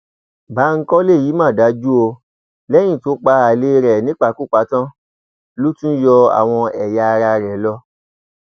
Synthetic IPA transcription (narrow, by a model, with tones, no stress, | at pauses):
ba˨˦ŋ̩˦kɔ˦le˦˨ji˨˦mã˦˨da˨˦d͡ʒu˦o˧ | lɛ˦j̃ĩ˦˨to˨˦k͡pa˧a˨le˧˦ɾɛ˨nĩ˨˦k͡pa˦˧˨ku˦˨k͡pa˨˦tã˦ | lu˦tũ˦jɔ˧a̰˨w̃ɔ̃˧ɛ˨ja˧ɾa˧ɾɛ˨lɔ˧